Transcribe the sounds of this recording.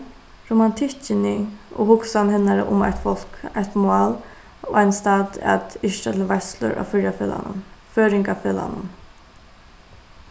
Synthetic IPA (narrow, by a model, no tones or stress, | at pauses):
ɾumant̪ʰɪht͡ʃɪnɪo̰hʊksanhɪnaɾə̰ʔʊma̰ht̪fɔl̥kajht̪mʊaːl | o̰ːajnst̪aːt̪a̰t̪ɪʂʈat̪ʰɪlʋaslʊ̰ɾʔa̰fɪɾjaføːla̰nʊ̰mføːɾɪŋkafeːla̰nʊm